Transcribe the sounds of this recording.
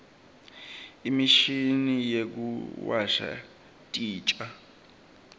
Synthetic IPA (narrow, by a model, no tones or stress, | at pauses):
imiʃinijek̬ṵwaʃa̰ | tʼiːt͡ʃʼa